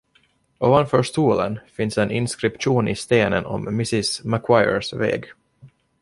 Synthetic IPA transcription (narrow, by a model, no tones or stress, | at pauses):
ʔoːvanfœːʂt̪uːlənfɪnsɛnɪnskɾɪpɧuːnɪst̪eːnənɔ̰mːɪsɪsmakʰwajə̰svɛ̰ːɡ